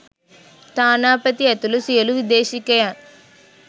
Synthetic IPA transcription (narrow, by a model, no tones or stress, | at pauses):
t̪aːnaːpɐt̪iɐt̪ulusijɐluʋid̪eːʃikːɐjaːn